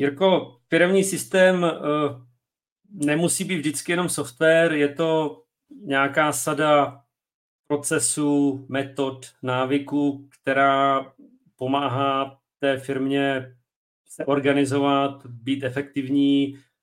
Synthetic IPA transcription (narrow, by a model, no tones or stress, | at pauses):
jaɾko̞fɪɾɛmɲiːsɪst̪ɛːm | nɛmusiːbiːvʒdɪt̪t͡skɪjɛno̞msoft̪vɛːɾjɛt̪o̞ | ɲaːkaːsada | pɾo̞t͡sɛsumɛt̪o̞t̪naːvɪkukt̪ɛɾaː | po̞maːɦaː | t̪ɛːfɪɾmɲɛ | sɛʔo̞ɾɡanɪzo̞vat̪biːt̪ɛfɛkt̪ɪvɲiː